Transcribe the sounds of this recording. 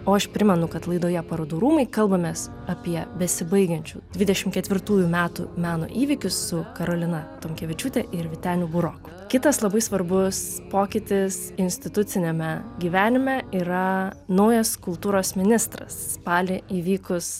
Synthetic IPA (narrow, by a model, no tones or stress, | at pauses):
oːɐʃpʲɾʲɪmʲɛnʊkɐt̪lˠɐɪd̪oːjɛpɐɾod̪uːɾuːmɐɪkɐlˠbɐmʲeːs | ɐpʲiɛbʲɛsʲɪbɐɪɡʲɐnʲt͡ʃʲṵːd̪ʲʋʲɪd̪ʲɛʃʲɪmkʲɛt̪ʋʲɪɾt̪uːjumʲæːt̪ṵmʲæːno̰ʔiːʋʲɪkʲʊsːʊkɐɾoːlʲɪnɐt̪oːmʲkʲɛʋʲɪt͡ʃʲut̪ʲɛʔɪɾʋʲɪt̪ʲæːnʲubʊɾokʊ̥ | kʲɪt̪ɐslˠɐbɐɪsʋɐɾbʊs | poːkʲɪt̪ʲɪs | ɪnʲsʲt̪ʲɪt̪ʊt̪sʲɪnʲɛmʲɛɡʲiːʋʲæːnʲɪmʲɛiːɾɐnɐʊjɐskʊlˠt̪uːɾoːsmʲɪnʲɪst̪ɾɐ̰sspɑːlʲɪiːʋʲiːkʊs